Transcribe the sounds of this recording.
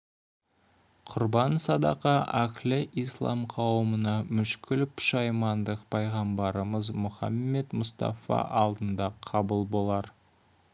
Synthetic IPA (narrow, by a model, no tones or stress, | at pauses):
qʰʊɾbɑnsɑd̪ɑ̰qɑʔækʲlɪʔijslˠɑ̰mqʰɑwəmənɑmʏʃkʲɪlpʰʊ̥ʃɑjmɑnd̪əqpʰɑjʁɑmbɑɾəməzmʊχɑ̰mːe̞t̪mʊst̪ɑ̰fɑ̰ʔɑlˠd̪ənd̪ɑqʰɑbəlˠbo̞lˠɑɾ